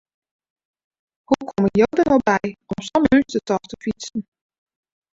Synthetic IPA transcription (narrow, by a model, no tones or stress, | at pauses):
hukʰɔməjowdənɔwbɛjɔmsɔmynstətɔxtəfit͡sən